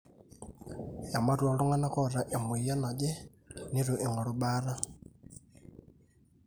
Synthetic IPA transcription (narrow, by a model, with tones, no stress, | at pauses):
ja˨ma˦twa˨lu˦ŋa˦na˦kɔ˦ɾa˨ʔe˨mu˨i˨ja˦na˨d͡ʒɛ˦ | ni˦ɾu˨ʔe˨ŋɔ˨lo˨ba˦ɾa˦